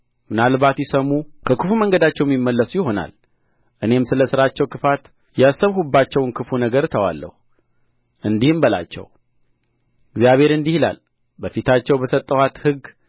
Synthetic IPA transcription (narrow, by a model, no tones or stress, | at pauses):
mɨnalbat̪jɪsəmukʰəkʰɨfuməŋɡəd̪at͡ʃːɛwjɛmimːəlːəsujɪho̞na̰l | ʔɨne̞msɨləsɨɾat͡ʃːɛwkʰɨfat̪ | jasːəβhubːat͡ʃːɛwnkʰɨfunəɡəɾt̪ʰəwa̰lːə̰hu | ʔɨnd̪ihɨmbəla̰t͡ʃːɛ̰w | ɨɡzijaβhe̞ɾɨnd̪ihila̰l | bəfit̪ʰat͡ʃːɛwbəsət̪ʼːəwat̪hɨɡ